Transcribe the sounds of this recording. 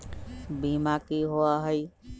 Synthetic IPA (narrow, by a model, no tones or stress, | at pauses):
bimakiɦoaɦəi